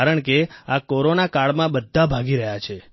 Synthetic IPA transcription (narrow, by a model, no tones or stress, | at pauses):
aɾəɳkeakoɾonakaɭmãbəd̪ʱːabʱaɡiɾəɦjat͡ʃʰe